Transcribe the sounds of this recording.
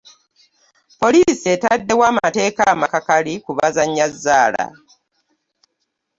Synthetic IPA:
po̞liːsietadːe̞waːmaate̞ːkaːmakakalikuβazaɲːazːaːla̰

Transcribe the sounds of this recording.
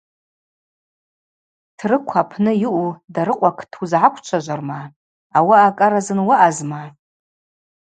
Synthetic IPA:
tʰrɨkʷʰapʰnɨjɪʔudaɾɨqʷʼakʰtʰuzʕakʷʰt͡ʃʷʰaʒʷarma | awaːkʼaɾazɨnwaʔazma

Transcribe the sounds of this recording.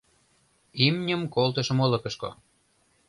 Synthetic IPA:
imnʲəmkolt̪ə̆ʃə̆molɤ̆kɤ̆ʃko̰

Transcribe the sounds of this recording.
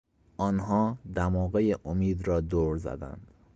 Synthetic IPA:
ʔɒːnɦɒːd̪æmɒːɣejeʔomiːd̪ɾɒːd̪oːɾzæ̰d̪æ̰nd̪̥

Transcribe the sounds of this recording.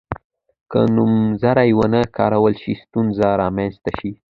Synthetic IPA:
kə̰numzaɾajwənəkʰɑ̰ɾawəlʃist̪unzaɾɑmanst̪aʃi

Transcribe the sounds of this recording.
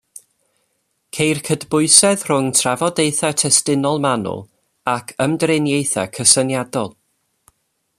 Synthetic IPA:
kʰejrkʰədbʊɨsɛð̥r̥ʊŋtʰravɔdejθatʰɛstɪnɔlˠmanʊ̰lˠ | akʰəmdrenjejθa̰kʰəsənjadɔlˠ

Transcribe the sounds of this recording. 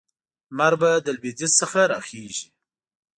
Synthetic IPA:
maɾbad̪əlbezissəxaɾɑxeʒi

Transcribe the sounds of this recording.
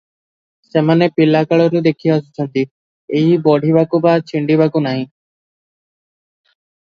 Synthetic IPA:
semanepilakaɭɔɾud̪ekʰijast͡ʃʰɔnt̪i | eɦibɔɽʱibakubat͡ʃʰiɳɖibakunaɦĩ

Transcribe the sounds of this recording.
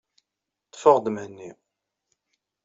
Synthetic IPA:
t̪ːfəʁd̪əmhənːi

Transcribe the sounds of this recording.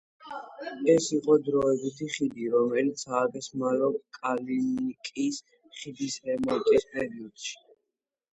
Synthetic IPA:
ɛsiqʼɔd̪ɾɔɛbit̪ʰiχid̪iɾɔmɛlit̪sʰaːk̪ɛsmalɔkʼalinikʼis | χid̪isɾɛmɔnt̪ʼispʼɛɾiɔd̪̥ʃi̥

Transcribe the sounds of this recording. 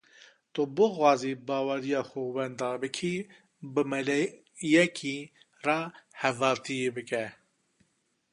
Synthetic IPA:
t̪obɨxwɑːziːbɑːwɛɾijɑːxuwɛnd̪ɑːɾbɨkʰi | bɨmɛlɛ | jɛkʰiː | rɑhɛvɑːɾt̪ʰijebɨkɛ

